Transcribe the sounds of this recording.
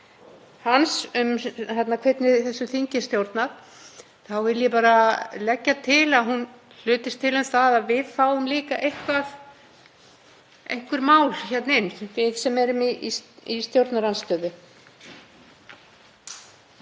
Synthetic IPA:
hansʏmhɛt̪nakʰvɛt̪nɪðθɛsːʏθiɲcɪst̪jowɾt̪nað | θawvɪljɛpaːɾalɛcːat̪ʰɪlaðɦun | l̥ʏːt̪ɪst̪ʰɪlʏmθaðaðvɪðfaːwʏmliːkaʔejhkvað | ejŋ̥kvʏɾmaːwlçɛt̪nɪnvɪðsɛmɛɾʏmiist̪jowɾt̪naɾanst̪œːðʏ

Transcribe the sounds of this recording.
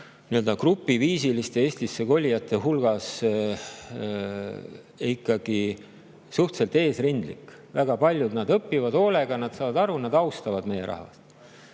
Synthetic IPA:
niøld̪ɑkrupːˑiviːsilist̪e̞eːsʲt̪isːe̞ko̞lʲːijɑt̪ːˑe̞ɦulɡ̥ɑs | ikˑːɑɡ̥i | suht̪selt̪e̞ːsrind̪lḭk | væɡɑpɑlʲjud̪nɑd̪ɤpːivɑd̪o̞le̞ɡ̥ɑnɑd̪̥sɑːvɑd̪ɑɾunɑd̪ɑwst̪ɑvɑd̪̥me̞je̞ɾʔɑ̰hvɑ̰st̪

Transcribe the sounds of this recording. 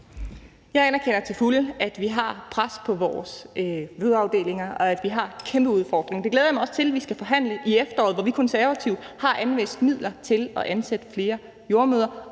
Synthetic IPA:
jɑ̈ɪænɐkʰen̰ɐt͡sʰe̝lfuləæd̥ʋiɦɑ̈pʰʁaspʰɒ̽ʋɒːsʋøðˠɑ̈ʊd̥e̝̰ːle̝ŋɐɒ̽æd̥ʋiɦɑ̈kʰemb̥əuð̞ˠfɒ̰ːd̥ʁeŋd̥e̝ɡleːðˠjɑmɑɪɒ̽st͡sʰe̝lʋisɡ̥æfɒ̽ɦæn̰ləʔiefd̥ɐɒ̰ːð̩ˠʋɒʋikʰɒ̽nsæɐʋæt͡sʰiʊ̰d̥hɑ̈ʔænʋesd̥mið̞̰ˠlɐt͡sʰe̝lɒ̽ʔænsed̥əfle̝ːɐ | jo̝ɐmøːðˠɐ

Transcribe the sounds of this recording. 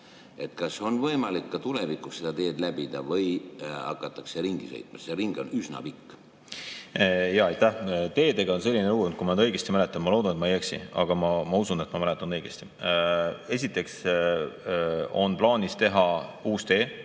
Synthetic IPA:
e̞t̪kɑso̞nvɤjmɑlikːɑt̪ulevikːˑusse̞d̪̥ɑt̪e̞ːd̪læbid̪̥ɑ̰vɤjɑ̰kːˑɑt̪ːˑɑkse̞ɾiŋɡ̥isḛjt̪ˑmɑseɾiŋɡ̥o̞nysnɑ̰pikː | jɑɑjt̪æht̪e̞ːd̪e̞ɡɑons̬e̞lʲːineɾuɡont̪kumɑnɑd̪ɤ̞jɡ̥est̪imæle̞t̪ːˑɑnmɑlo̞ːd̪ɑnet̪mɑejeksḭɑ̰ɡ̥ɑmɑmɑusunet̪mɑmæle̞t̪ːˑɑnɤjɡ̥est̪i̥ | e̞s̬ʲit̪ːˑe̞ks | o̞̰nplɑːnist̪e̞ɦɑuːst̪e̞ː

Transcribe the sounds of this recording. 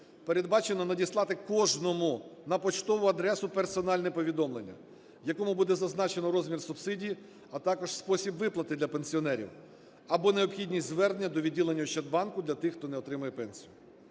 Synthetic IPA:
peɾe̞d̪̚bɑt͡ʃe̞nɔnɐdʲislˠɑt̪ɪkɔʒnɔmʊnɐpɔt͡ʃt̪ɔʋʊɐd̪ɾɛsʊpersɔnɑlʲnɛpɔʋʲid̪ɔmlenʲːɐ̰ | jɐkɔmʊbud̪ɛzɐznɑt͡ʃe̞nɔɾɔzʲmʲirsʊbsɪdʲiji | ɐt̪ɑkɔʒspɔsʲibʋɪplˠɐt̪ɪd̪lʲɐpenʲsʲiɔnɛɾʲḭw | ɐbɔneɔbxʲidʲnʲisʲtʲzʋɛrd̪nʲːɐd̪ɔʋʲidʲilˠenʲːɐuʃt͡ʃɐd̪̚bɑnkʊd̪lʲɐt̪ɪxt̪ɔnɛɔt̪ɾɪmɐjɛpɛnʲsʲijʊ

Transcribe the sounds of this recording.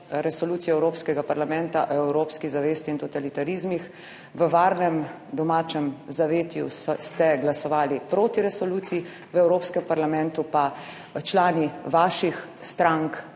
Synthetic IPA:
ɾɛsɔluːt̪sijɛɛwɾoːpskɛɡapaɾlamɛ̃nt̪aʔɛwɾoːpskizaʋeːst̪iːnt̪ɔt̪alit̪aɾizmix | ʋəʋaːɾnɛm | d̪ɔmaːt͡ʃɛmzaʋeːt̪jṵst̪ɛɡlasɔʋaːlipɾoːt̪iɾɛsɔluːt̪siji | ʋɛwɾoːpskɛmpaɾlamɛ̃nt̪upa | t͡ʃlaːniʋaːʃixst̪ɾaŋk

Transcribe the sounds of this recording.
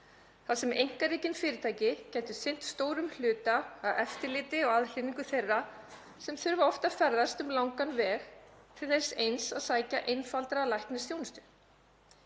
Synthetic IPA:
θaðsɛmejŋ̥kaɾiːcɪnfɪːɾɪt̪ʰaːjcɪcɛːjt̪ʏsejn̥t̪st̪oːwɾʏml̥ʏːt̪aːðɛft̪ɪɾlɪːt̪ɪɔɣaðl̥ɪniŋkʏθejrːa | sɛmθʏɾvaɔft̪afɛɾðast̪ʏmlawŋkanvɛːɾ̥t̪ʰɪ̥θe̥sejnsaðsaːjcaʔejnfalt̪ɾalajhknɪst̪joːwnʏst̪ʏ̥

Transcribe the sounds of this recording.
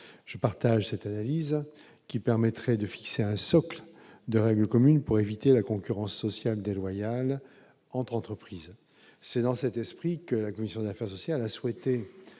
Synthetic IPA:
ʒ̥əpaʁt̪aʒsɛt̪analiz | kʲipɛʁmɛt̪χɛd̪əfi̥kseɛ̃sɔkld̪əʁɛɡləkɔmynpuʁevit̪elakɔ̃kʲyʁɑ̃sːɔsjald̪elwajal | ɑ̃t̪χɑ̃t̪χəpχiz | sɛd̪ɑ̃sɛt̪ɛspχikəlakɔmisjɔ̃d̪afɛʁsɔsjalaswɛt̪e

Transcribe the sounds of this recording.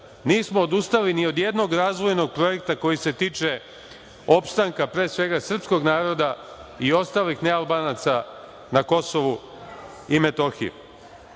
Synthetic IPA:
niːsmoːd̪ust̪alinio̞d̪jed̪no̞ɡɾaːzʋo̞jno̞ɡ̚pɾo̞je̞kt̪ako̞jise̞t̪iːt͡ʃe̞ | o̞pst̪aŋkapɾe̞ːsʋe̞ɡasr̩psko̞ɡnaːɾo̞d̪aio̞st̪aːlixne̞alˠbanat̪sa | nako̞so̞ʋu | ime̞t̪o̞xḭjṵ

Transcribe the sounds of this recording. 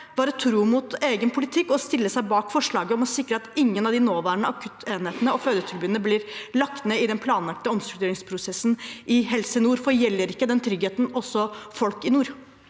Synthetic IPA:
ʋɑːɾət̪ʰɾuːmʊt̪eːɡənpʰʊlɪt̪ʰɪkːɔst̪ɪlːəsæɪbɑːkfɔʂɭɑːɡəɔmɔsɪkːɾəɑt̪ɪŋːənɑʋd̪ɪnoːʋæːɾəɳəɑkʰʉt̪ʰeːnheːt̪ənəɔføːd̪ət̪ʰʉɾbʉːənəblɪːɾlɑk̚t̪neːɪd̪ɛnpʰlɑːnlɑk̚t̪əɔmst̪ɾʉk̚d̪eːɾɪŋspʰɾʊsɛsːnʔɪɦɛlsənuːɾfɔɾjɛlːəɾɪkːəd̪ɛnt̪ʰɾʏɡheːt̪n̩ɔsːɔfɔlkɪnuːɾ

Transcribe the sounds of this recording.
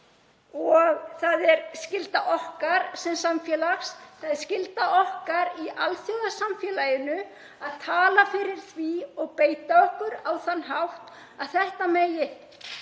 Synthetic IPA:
ɔɣθaðɛɾscɪlt̪aʔɔhkaɾsɛmsamfjɛːlaxsθaðɛɾ̥scɪlt̪aʔɔhkaɾiʔalθjowðasamfjɛːlaːjɪnʏ | aðt̪ʰaːlafɪɾɪɾ̥θviɔɣpeːjt̪aɔhkʏɾawθanːɦawht̪ | aðθɛht̪ameːjɪ

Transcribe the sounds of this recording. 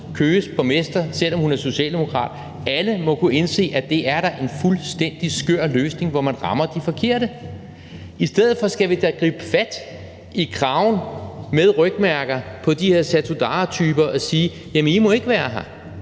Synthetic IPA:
kʰøːspʰɒ̽mesd̥ɐsel̰ɒ̽mhunæɐso̝ɕɛ̰ːld̥e̝mo̝kʰʁɑ̰̈ːd̥ | æləmɒ̽kʰue̝nse̝̰ːʔæd̥e̝ʔæɐɾ̥ɑ̈ʔe̝nfulsd̥en̰d̥isɡ̥øɐ̰løːsne̝ŋʋɒmænʁɑ̈mɐd̥ifɒ̽kʰe̝ɐ̰ɾ̥ə | isd̥eð̞̰ˠð̩ˠfɒ̽sɡ̥æʋid̥æɡ̥ʁḭːb̥əfæd̥ | ikʰʁɑ̈ʊnmeð̞ˠʁœɡ̥̚mæɐɡ̥ɐpʰɒ̽d̥ihe̝ɐ̰sæt͡sʰud̥ɑ̈ːt͡sʰyːb̥ɐʔɒ̽siː | jæmənimɒ̽e̝ɡ̥əʋæːɐɦæ

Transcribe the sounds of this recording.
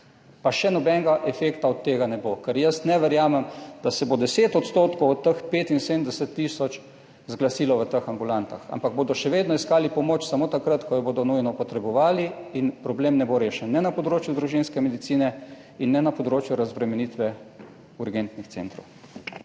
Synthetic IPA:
paʃɛnɔbɛŋɡaʔɛfeːkt̪aɔt̪ːeːɡanɛbokəɾjəst̪nɛʋɛɾjaːmɛmd̪̥asɛbod̪ɛseːt̪ɔt̪st̪oːt̪kowɔt̪ːəxpeːt̪inseːd̪ənd̪ɛsət̪ːisɔt͡ʃ | zɡlasiːlɔʋət̪əxambulant̪a̰xa̰mpaɡ̚boːd̪ɔʃɛʋeːd̪nɔiskaːlipɔmoːt͡ʃsamoːt̪akɾat̪kɔjɔboːd̪ɔnujnɔpɔt̪ɾɛbɔʋaːliinpɾɔbleːmnɛboɾeːʃɛnːɛnapɔd̪ɾoːt͡ʃjuzd̪ɾuʒinskɛmɛd̪it̪siːnɛ | inːɛnapɔd̪ɾoːt͡ʃjuɾazbɾɛmɛniːt̪ʋɛ | uɾɡɛnt̪nixt̪sḛːnt̪ɾo̰w

